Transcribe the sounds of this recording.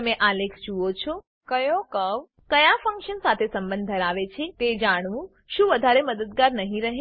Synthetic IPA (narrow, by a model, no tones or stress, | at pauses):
əmẽʔalekʰd͡ʒuot͡ʃʰo | kəjõkəʋ | kəjafə̃ŋkʃənsat̪ʰesəmbə̃nd̪̚d̪ʱəɾaʋet͡ʃʰet̪ed͡ʒaɽ̃ʋũ | ʃũʋəd̪ʱaɾeməd̪əd̪̚ɡaɾnəɦĩɾəɦẽ